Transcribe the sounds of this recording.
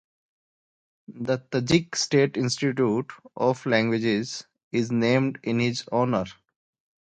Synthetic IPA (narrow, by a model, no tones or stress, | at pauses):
d̪ət̪əd͡ʒɪksʈeːʈɪ̃nsʈɪʈjuːʈʔɔːflæ̃ŋɡwɪd͡ʒɪz | ɪznẽːmɖɪ̃nhɪzɔːnəɾ